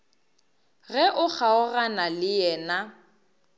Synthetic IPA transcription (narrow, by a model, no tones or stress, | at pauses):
ɣɛʔʊk͡xʰaʊranalɪjɛːna